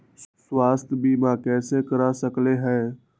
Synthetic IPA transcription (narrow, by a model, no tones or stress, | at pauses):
swaːst̪ʰjbʱiːmãkɛːsekəɾasəkleɦɛ̃ː